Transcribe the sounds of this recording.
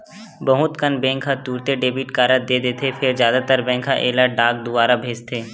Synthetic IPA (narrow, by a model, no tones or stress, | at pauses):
bəɦʊt̪kənbɛ̃ːkʰɦãt̪uːɾt̪eɖeːbɪʈkaːɾəd̪eːd̪eːt̪ʰepʰɪɾzjaːd̪at̪əɾbɛ̃ːŋkʰɦaʔeːlaɖaːk̚d̪ʊbaːɾabʱeːd͡ʒt̪ʰeː